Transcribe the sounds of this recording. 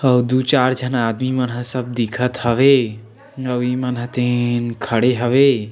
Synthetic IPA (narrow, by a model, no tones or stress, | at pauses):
əwd̪ut͡ʃaɾd͡ʒʱənad̪mimənɦəsəb̚d̪ikʰət̪ɦəʋe | əimənɦət̪enkʰəɽeɦəʋe